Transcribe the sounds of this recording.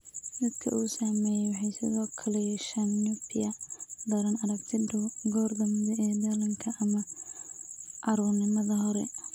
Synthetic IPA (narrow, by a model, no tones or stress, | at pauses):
d̪ɐd̪kʰɐ̰ʔuːsɐmɛːjɛjwɑħɑjsɪðɔːkʰɐlɛjɛʃɐnːʊpʰɪɐd̪ɐɾɐnɐɾɐbt̪ʰɪɖʊwɡɔːrd̪ɐmɪd̪ɛɛːd̪ɐlɐŋkʰɐʔɐmɐ | ʔɐɾuːnɪmɐðɐɦɔɾɛ̰